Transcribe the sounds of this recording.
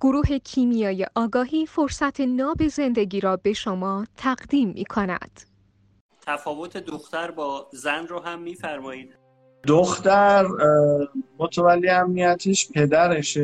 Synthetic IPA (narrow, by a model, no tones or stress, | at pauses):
ɡ̥oɾuːɦe̞cʰiːmijɑːjeʔɒːɡɒːɦiːfo̞ɾsæt̪ʰenɒːbe̞ze̞nd̪e̞ɡiːɾɒːbe̞ʃomɒːt̪ʰæɣd̪iːmːḭːkʰonæ̰d̪̥ | t̪ʰæfɒːvot̪ʰed̪oxt̪æɾbɒːzænroːɦæmːiːfæɾmɒːiːd̪̚ | d̪oxt̪æɾ | mot̪ʰævælːiæmnijæt̪ʰiːʃpʰe̞d̪æɾeʃ